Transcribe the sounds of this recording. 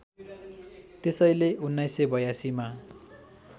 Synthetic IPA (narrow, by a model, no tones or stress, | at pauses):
t̪esʌjleunːʌjsebʌjasima